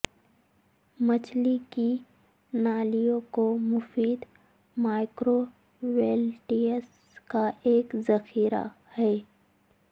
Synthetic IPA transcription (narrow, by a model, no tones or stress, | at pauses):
mɐt͡ʃʰliki | naːlijõkomʊfiːd̪ | maːɪkɾo | weːlʈiəs | kaeːkzɐxiːɾa̰ | hɛː